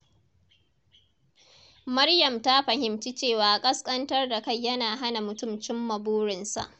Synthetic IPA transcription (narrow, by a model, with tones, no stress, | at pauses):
mɐ˦rjɐ˨mta˦ɸɐ˨ɦɪ˨mt͡ʃi˦t͡ʃeː˦˨waː˨ʔa˨kʼɐ˦skʼɐ˦ntɐ˦rda˨ka˦˨jːɐ˦naː˨ɦa˦na˨mʊ˨tʊ˦mt͡ʃɪ˦mːɐ˨buː˦ɽɪ˨nsa̰˨ʔ